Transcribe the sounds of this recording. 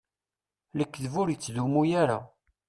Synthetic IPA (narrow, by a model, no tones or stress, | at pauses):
ləkːðvʊɾjət͡sːðumujaɾa̰